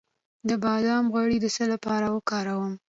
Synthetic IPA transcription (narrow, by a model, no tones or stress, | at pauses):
d̪əbɑd̪ɑmɣwaɽid̪əsəlapɑɾawəkɑɾawəm